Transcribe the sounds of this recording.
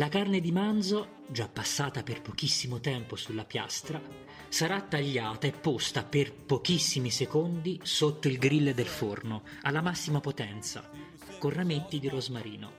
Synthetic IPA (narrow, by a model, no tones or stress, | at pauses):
lakarned̪imand̪zo | d͡ʒapːasːaːt̪aperpok̟isːimot̪ɛmposulːapja̰st̪ɾa | saɾat̪ːaʎːaːt̪aepːost̪aperpokisːimisekond̪isot̪ːoilɡɾilːed̪elfornoalːamasːimapot̪ɛnt̪sa̰ | korːamet̪ːid̪iɾozmaɾiːno